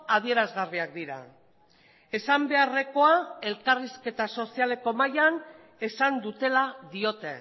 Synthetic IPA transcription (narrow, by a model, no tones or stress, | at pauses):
aðie̞ɾazɣariak̚d̪iɾa̰ | e̞sambe̞are̞ko̞ae̞lkariske̞t̪aso̞siale̞ko̞majan | e̞sand̪ut̪e̞laðio̞t̪e̞